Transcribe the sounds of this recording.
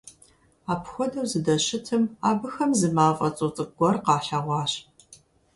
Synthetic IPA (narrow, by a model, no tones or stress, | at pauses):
aːpʰxʷɔdɐwzɨdɐɕɪtʰɨmaːbɨxɐmzɨmaːfʼɐt͡sʼot͡sʼɨɡʷɔrqɑːħaʁʷɑːɕ